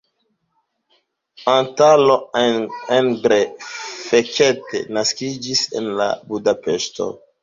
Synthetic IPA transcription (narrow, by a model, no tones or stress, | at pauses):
antalo̞ | enɡɾefeketḛnaskid͡ʒisḛnla̰budapesto̞̰